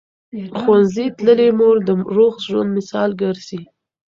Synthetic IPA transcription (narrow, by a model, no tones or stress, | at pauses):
xwanzit̪ləlemoɾd̪əɾoxʒwa̰nd̪mɪsɑlɡəɾzi